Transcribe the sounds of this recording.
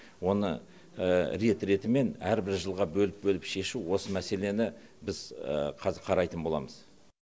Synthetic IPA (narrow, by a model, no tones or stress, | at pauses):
wo̞nə̰ | əɾe̞t̪ɾe̞t̪ɪme̞næɾbɪɾʒəlˠʁɑbɵlɪp̚bɵlɪpʃe̞ʃuwo̞səmæse̞le̞nɪ | bɪz̥ə̰qʰɑzɪqʰɑɾɑjt̪ənbo̞lˠɑ̰məz